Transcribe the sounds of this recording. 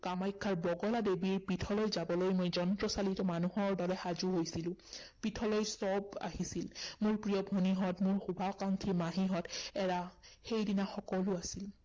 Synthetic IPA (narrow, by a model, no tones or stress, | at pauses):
kamajkʰːaɹbɔɡɔladebiɹpɹitʰɔlojzabɔlojmojzɔntɹɔsalitɔmanuɦɔɹdɔɹɛxazuɦojsilʊ̃ | pitʰɔlɔjsɔba̰ɦisilmʊɹpɹijɔbʱoniɦɔtmʊɹxubʱaɔkaŋkʰimaɦiɦɔtɛɹaxejdinaxɔkɔlʊasil